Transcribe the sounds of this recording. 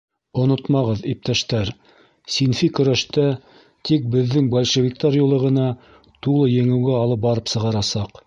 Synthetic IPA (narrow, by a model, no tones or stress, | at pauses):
ŏnot̪mɑʁɤðip̚t̪æʃt̪æɾ | sinfikɵ̆ɾæʃt̪æ | t̪ik̚bɘ̆ðːɘŋbælʲʃɘ̆vik̚t̪ɑɾjulˠɤ̆ʁɤ̆nɑ | t̪ulˠɤjɘ̆ŋɘ̆wɡæɑlˠɤp̚bɑɾɤpsɤ̆ʁɑɾɑsɑq